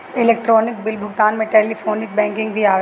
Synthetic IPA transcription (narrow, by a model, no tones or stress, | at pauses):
ɪleːk̚ʈɾɔːnɪk̚bɪlbʱʊɡt̪aːnmẽʈeːlifʰoːnɪk̚bɛ̃ːŋkɪ̃ŋɡbʱiaːʋ